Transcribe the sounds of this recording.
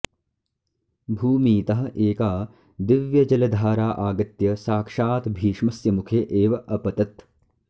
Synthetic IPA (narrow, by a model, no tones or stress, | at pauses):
bʱuːmiːt̪ɐɦɐ̆ʔeːkaː | d̪ɪʋjɐd͡ʒɐlɐd̪ʱaːɾaːʔaːɡɐt̪jɐsaːkʂaːt̪bʱiːʂmɐsjɐmukʰeːʔeːʋɐʔɐpɐt̪ɐt̪